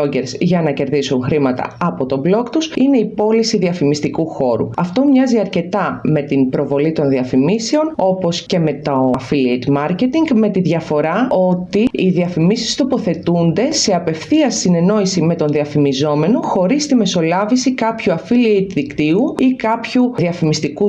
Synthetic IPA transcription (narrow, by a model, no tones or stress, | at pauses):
oɟeɾzʝɐnɐce̞ɾðisunxɾimɐt̪ɐ̰ɐpo̞t̪o̞blo̞kt̪usine̞ipo̞lisiðiɐfimist̪ikuxo̞ɾṵɐft̪o̞mɲɐziɐɾce̞t̪ɐme̞t̪inpɾo̞vo̞lit̪o̞nðiɐfimise̞o̞no̞po̞sce̞me̞t̪oɐfiliit̪mɐɾce̞t̪iŋɡme̞t̪iðʝɐfo̞ɾɐo̞t̪iiðiɐfimisist̪o̞po̞θe̞t̪und̪e̞se̞ɐpe̞fθiɐsine̞no̞isime̞t̪o̞nðiɐfimizo̞me̞no̞xo̞ɾist̪ime̞so̞lɐvisikɐpçuɐfilit̪ðikt̪iuikɐpçuðiɐfimist̪iku